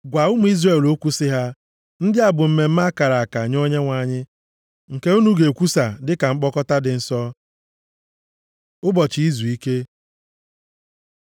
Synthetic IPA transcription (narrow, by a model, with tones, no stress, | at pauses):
ɡʷa˨ʊ˦mʊ˨˦i˦zre˦˨lo˦kʷu˦sɪ˦ɦa˦ | n̩˦dɪ˦a˨bʊ˨m̩˦me˨m̩˦ma˦ka˨ɾa˨a˨ka˨ɲo˦ɲe˦ŋʷa˨ɲɪ˦ | ŋ̩˨ke˦u˦nu˦ɡe˨kʷu˦sa˨dɪ˦ka˨ŋ͡m̩˦k͡pɔ˦kɔ˦ta˦dɪ˨n̩˦sɔ˦ | ʊ˦bɔ˨t͡ʃi˨i˦zu˨i˦ke˦